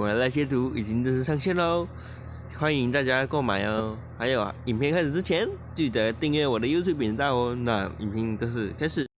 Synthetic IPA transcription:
a˧˥la˧ɪɕjɛ˥t̪ʰu˧˥i˨˩t͡ɕi˥ŋt̪o˥˧ʂɻ̩˥˧ʂɑ˥˧ŋɕjɛ˥˩nlə˧ | xwa˥ni˧˥ŋt̪a˥˧t͡ɕja˥ko˥˩ma̰˨˩ɪə˧˥ | xa˧˥ɪjo˨˩ʊi˨˩mpʰjɛ˥˧ŋkʰa˥˧ʂ̩˨˩ʈ͡ʂɻ̩˥t͡ɕʰjɛ˧˥nt͡ɕy˥˩t̪ə˧˦t̪i˥˧ŋɥɛ˥˩wɔ˨˩d̪ə˦jt̪ʰju˥˩pji˨˩n˧t̪a˥˧˩wɔ˧na˥˩ḭ˨˩npʰi˥˧no˥˧ʊʂ̬ɻ̩˥˩kʰa˥ɪʂɻ̩˨˩˦

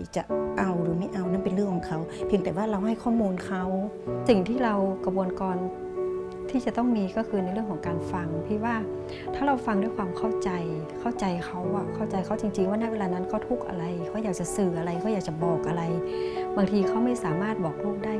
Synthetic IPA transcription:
t͡ɕa˨˩ʔa˧wduː˧˩˦ma˦˥˩jʔa˧wnaː˧˥˨pe˨nlɯ˥˩˨kʰːɔ˨˦ŋkʰa˧˩wpʰi˧əŋt̪ɛː˨˩waː˥˩ɾa˧wɦa˥˩jkʰɔː˥˩muː˧nkʰa˦˥w | si˨˩ŋt̪ʰiː˥˩ɾa˧wka˧bu˧ənkɔː˧n | t̪ʰiː˥˩t͡ɕa˨˩˦t̪ɔ˥˩ŋmiː˧kɔː˥˩kʰɯː˧na˧jɾlɯ˥˩əŋkʰɔ˨˦ŋkaː˧nfa˧ŋt̪ʰiː˧˩waː˧˥˩ | t̪ʰaː˥˩ɾa˧wfa˧ŋdu˥˩˨jkʰwaː˧mkʰa˥˩wt͡ɕa˧j | kʰa˧˥˩wt͡ɕa˧jkʰa˧˥˩wa˨˧˩kʰa˥˩wt͡ɕa˧jkʰa˦˥˩wt͡ɕi˧ŋt͡ɕi˧ŋwaː˥˩˨na˥˨we˧laː˧na˦˧˥nkʰa˧˥˩wt̪ʰu˧˥˩k̚ʔa̰˧ɾa˧jkʰa˧˥˩jaː˨˩k̚t͡ɕa˨sɯː˨˧˩ʔa˧ɾa˧jkʰa˧˥˩jaː˨˩k̚t͡ɕa˨bɔː˨˩k̚ʔa˧ɾa˧jbaː˧ŋt̪ʰiː˧kʰa˧˥˩wma˥˩jsaː˨˦maː˥˩t̪̚bɔː˨˩k̚lʰuː˥˩k̚da˥˩j

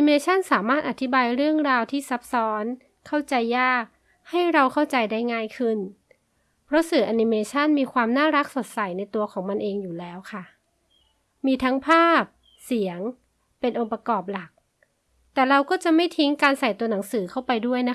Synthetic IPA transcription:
i˧meː˧t͡ɕʰa˥˩˨nsaː˩˦maː˥˩t̪̚ʔa˨˩t̪ʰi˦˥baː˧jɾɯ˥˩əŋɾaː˧wt̪ʰiː˥˩sa˦˥p̚sɔː˦˥nʰː | a˥˩wt͡ɕa˧jːaː˥˩k̚ | ha˥˩jɾa˧wkʰa˥˩wt͡ɕa˧jda˥˩jŋaː˥˩jkʰɯ˥˩n | pʰɾɔ˦˥sɯː˨˩ʔa˧ni˧meː˧t͡ɕʰa˥˩nmiː˧kʰwaː˧mnaː˥˩ɾa˦˥k̚so˨˩t̪̚sa˨˩˦jna˧jt̪u˧ɐkʰɔː˩˦ŋma˧nʔeː˧ŋjuː˨˩lɛː˨˦˥wkʰa˥˩ | miː˧t̪ʰa˦˥ŋpʰaː˥˩p̚ | si˩˦əŋ | pe˧nʔo˧ŋpa˧kɔː˨˩p̬̚la˨˩k̚ | t̪ɛː˨˩ɾa˧wkɔː˥˩t͡ɕa˨˩ma˥˩jt̪ʰi˦˥ŋkaː˧nsa˨˩jt̪u˧ɐna˩˦ŋsɯː˩˦kʰa˥˩wpa˧jdu˥˩əjna˦˥

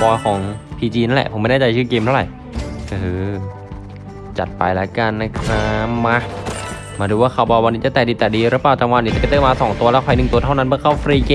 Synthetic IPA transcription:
bɔː˧kʰɔː˩˦ŋpʰiː˧t͡ɕiː˧na˦˥lɛ̰˨˩pʰo˩˦ma˥˩nɛː˥˩t͡ɕa˧jt͡ɕʰɯː˥˩keː˧mtʰa˥˩wɾa̰˨˩j | ʔɤː˧ | t͡ɕa˨˩t̪̚pa̰˧jlɛ˦˥ka˧nːa˦˧˩kʰɾa˦˧˥ma˧˥˩ | maː˧duː˧waː˥˩kʰa˧˩bɔː˧wa˧nːiː˦˥t͡ɕa˨˩t̪ɛː˨˩diː˧t̪ɛː˨˩diː˧ɾɯ˦˥plaː˨˩wt͡ɕaː˧˩wa˧nːiː˧˥t͡ɕa˨˩pe˧˩t̪ɤː˥˩maː˧sɔː˩˦ŋt̪u˧əlɛ˦˥kʰa˧˩nɯ˨˩ŋt̪u˧ət̪ʰa˥˩wna˦˥nbɯ˦˥əkʰa˥˩wfɾiː˧keː˧

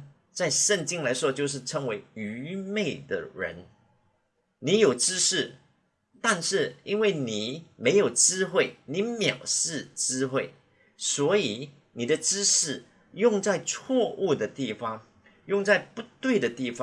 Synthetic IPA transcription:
t͡sa˥˧ɪʂə˥˩ŋt͡ɕi˥ŋla˧˥ɪʂwɔ˥t͡ɕjo˥˧ʊʂ̬ɻ̩˥˩ʈ͡ʂʰə˧˥ŋwe˧˥ɪy˧˥me˥˩ɪd̪ə̰˩ɻə̰˧˥n | ni˧˥jo˨˩ʊʈ͡ʂɻ̩˥ʂɻ̩˥˩ | t̪a˥˧nʂɻ̩˥˩i˥nwe˥˩ɪni˨˩me˧˥ɪjo˨˩ʊʈ͡ʂɻ̩˥xwe˥˩ɪni˨˧˥mjɑ˨˩ʊʂɻ̩˥˩ʈ͡ʂɻ̩˥xwe˥˩ɪ | swɔ˧˥i˨˩˦ | ni˨˩d̪ə˦ʈ͡ʂɻ̩˥ʂɻ̩˥˩ | jʊ˥˧ŋt͡sa˥˧ɪt͡sʰwɔ˥˧ʔu˥˩d̪ə˩t̪i˥˩fɑ˥ŋ | jʊ˥˧ŋt͡sa˥˧ɪpu˧˥t̪we˥˩ɪd̪ə˩t̪i˥˩fɑ˦

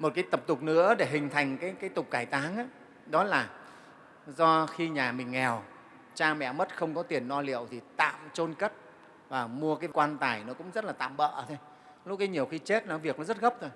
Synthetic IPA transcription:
mo˨˩t̚kaː˨˦jt̪ə˨˩p̚t̪ʊ˨˩k͡p̚nɨ̰˧˥əɗe˧˩ɦï˨˩ŋ̟t̪ʰa˨˩jŋ̟kaː˨˦jkaː˨˦jt̪ʊ˨˩k͡p̚kaː˧˩jt̪aː˨˦ŋaː˨˦ | ɗɔ˨˦laː˨˩ | zɔ˧xi˧ɲaː˨˩mï˨˩ŋ̟ŋɛ˨˩w | t͡ɕaː˧mɛ̰˧˨mə˦˥t̚xə˧wŋ͡mkɔ˨˦t̪i˨˩ənːɔ˧lḭ˧˨əwt̪ʰi˨˩t̪a̰ː˧˨mt͡ɕo˧nkə˦˥t̚ | vaː˨˩mu˧əkaː˨˦jkwaː˧nt̪aː˨˩jnɔ˨˦kʊ̰˧˥ŋ͡mzə˦˥t̚laː˨˩t̪a̰ː˧˨mɓə̰ː˧˨t̪ʰo˧j | lʊ˦˥kaː˨˦ɲi˨˩əwxi˧t͡ɕe˦˥t̚nɔ˨˦vi˨˩ək̚nɔ˨˦zə˦˥t̚ɣə˦˥p̚t̪ʰo˧j

